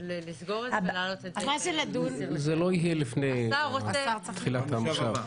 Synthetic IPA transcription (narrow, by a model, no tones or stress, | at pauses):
izɡoamazeladunzeloiɦjelifnejaot̪χilat̪amʃav